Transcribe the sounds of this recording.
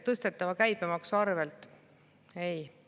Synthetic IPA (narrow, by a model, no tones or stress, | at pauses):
t̪ɤst̪e̞t̪ːˑɑvɑkæjbemɑksuɑrve̞lt̪ːˑ | ej